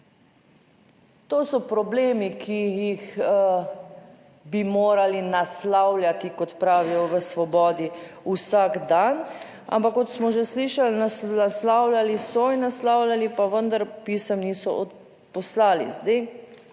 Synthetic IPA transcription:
t̪oːsɔpɾɔbleːmikʰijix | bimoːɾalinaslawlʲjat̪ikɔt̪pɾaːʋijɔʋəsʋɔbɔːd̪i | usaɡd̪an | a̰mpakːɔt̪smɔʒɛsliːʃalnasaslawlʲjalisɔinːaslawljalipaʋənd̪aɾpisəmniːsɔ̰ɔ | pɔslaːlḭzd̪e

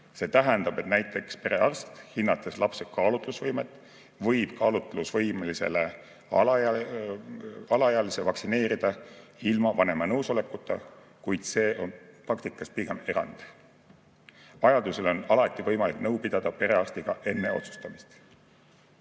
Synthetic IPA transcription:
se̞ːt̪æɦend̪ɑb̥e̞t̪næjt̪ːˑe̞kspe̞ɾe̞ɑrst̪hinːɑt̪ːˑeslɑpse̞kɑːlut̪ˑlusvɤjme̞t̪ːˑ | vɤjb̥kɑːlut̪ːˑlusvɤ̞jmelise̞̰le | ɑlɑjɑɑlisevɑksine̞ːɾid̪̥ɑilmɑvɑne̞mɑnɤwso̞le̞kːˑut̪ˑːɑ̰ | kujd̪̥se̞ːʔo̞nprɑkt̪ikːˑɑspiɡeme̞ɾɑ̰nd̪̥ | vɑjɑd̪̥use̞lo̞nɑlɑt̪ːˑivɤ̞jmɑliknɤwpid̪̥ɑd̪̥ɑpe̞ɾe̞ɑrst̪iɡ̥ɑʔe̞nːe̞o̞t̪su̥st̪ɑmist̪

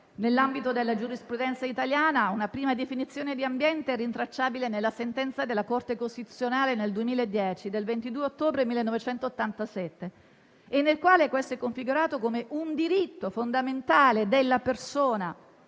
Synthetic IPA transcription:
nelːambit̪od̪elːad͡ʒuɾispɾud̪ɛnt̪sait̪aljaːnaunapɾiːmad̪efinit̪sːjoːned̪iambjɛnt̪eɛrːint̪ɾat͡ʃːaːbilenelːasent̪ɛnt̪sad̪elːakort̪ekost̪it̪usːjonaːleneld̪uemiːlaed̪ːjɛːt͡ʃid̪elvent̪id̪uːeot̪ːoːbɾemilːenːɔvet͡ʃɛnt̪oːt̪ːant̪asɛt̪ːeː | nːelkwaːlekwest̪oɛkːoɱfiɡuɾaːt̪okomeʔund̪iɾit̪ːofond̪ament̪aːled̪elːapersoːna

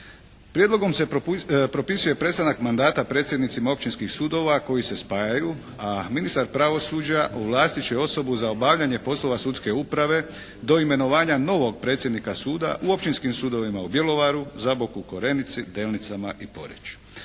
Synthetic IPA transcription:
pɾje̞d̪lo̞ɡo̞mepɾo̞pisuje̞pɾe̞t̪st̪anakmand̪aːt̪apɾe̞ːt̪sjed̪nit̪simao̞pt͡ʃinskixsuːd̪o̞ʋako̞jise̞spaːjaju | aminist̪aɾpɾaʋo̞sud͡ʑaʔoʋlˠaːst̪it͡ɕeo̞so̞buzaobaːʋʎaɲe̞po̞slo̞ʋasut̪ske̞upɾaʋe̞ | d̪o̞ime̞no̞ʋaːɲano̞ʋo̞ɡ̚pɾe̞t̪sʲjed̪nikasuːd̪a̰ʔuo̞pt͡ʃinskimsuːd̪o̞ʋimaubje̞lo̞ʋaɾuzabokuko̞ɾe̞nit̪sid̪eːlnit̪samaʔipo̞̰ɾḛt͡ɕu̥

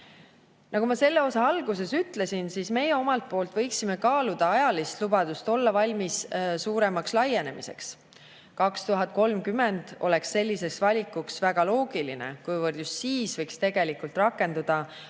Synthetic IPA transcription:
nɑkɡumɑse̞lːe̞o̞sɑɑlɡuse̞syt̪le̞sinsiːsme̞jeo̞mɑlt̪̚po̞ːlt̪vɤjksime̞kɑːlud̪̥ɑɑjɑlist̪lub̥ɑd̪ust̪o̞lːɑvɑlʲmissuːɾe̞mɑkslɑje̞ne̞mise̞̰ks | kɑkst̪uɦɑt̪̚ˑko̞lmkyme̞nd̪̥o̞̰le̞ksːe̞lʲːise̞ksvɑlʲikːuksvæɡ̥ɑlo̞ːɡ̥ilinḛkujvərd̪just̪siːsvɤjkst̪e̞ɡ̥e̞likult̪rɑkːˑe̞nd̪ud̪̥ɑ

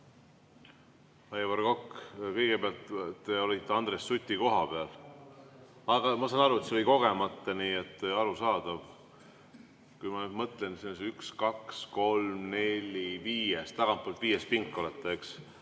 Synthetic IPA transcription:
ɑjvɑrɡ̥o̞kːkɤ̞jɡ̥eb̥eɑlt̪t̪ːe̞o̞lʲit̪ːeɑnd̪̥re̞sːut̪ʲːiko̞ɦɑpe̞ɑl | ɑɡ̥ɑmɑsɑnɑɾuet̪seo̞liko̞ɡ̥e̞mɑt̪ːɑniːet̪ːeɑɾusɑːd̪̥ɑv | kujmɑyd̪mɤt̪lensinːseykskɑksko̞lmne̞lʲiviːjest̪lɑɡ̥ɑmpːˑolt̪viːjest̪piŋkːˑo̞let̪ːˑɑeks

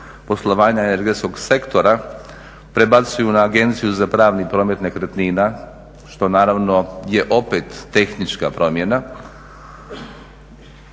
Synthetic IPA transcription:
po̞slˠo̞ʋaːɲaene̞ɾɡet̪sko̞ɡse̞kt̪o̞ɾa | pɾebat̪sujunaːɡe̞nt̪sijuzapɾaːʋnipɾo̞ːme̞t̪ne̞kɾt̪nina | ʃt̪o̞naːɾaʋno̞je̞ʔo̞pet̪ːe̞xnit͡ʃkapɾo̞mje̞na

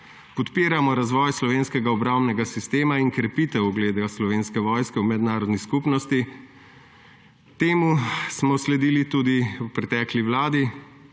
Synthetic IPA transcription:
pɔt̪piːɾamɔɾazʋɔːjslɔʋeːnskɛɡaɔbɾawmnɛɡasist̪eːmaiŋkɾɛpiːt̪ɛwɡleːd̪aslɔʋeːnskɛʋɔːjskɛwmɛd̪naːɾɔd̪niskupnɔst̪i | t̪eːmusmɔslɛd̪iːlit̪uːd̪iwpɾɛt̪ɛːkliʋlaːd̪i

